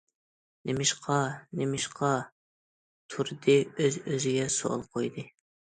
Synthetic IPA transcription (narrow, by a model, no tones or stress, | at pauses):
nɪmɪʃqʰɑnɪmɪʃqʰɑ | t̪ʰuɾd̪ɨøzøzɪɡʲɛso̰lˠqʰojd̪ɨ